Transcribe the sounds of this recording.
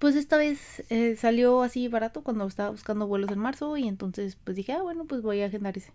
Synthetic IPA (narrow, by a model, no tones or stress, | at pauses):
pwe̞s̬e̞st̪aβe̞sesaljo̞asiβaɾat̪okwand̪oest̪aβaβuskand̪oβwe̞lo̞s̬e̞nmaɾso̞ie̞nt̪o̞nse̞spwe̞zðd̪ixe̞aβwe̞no̞pwe̞zβojaxend̪aɾese̥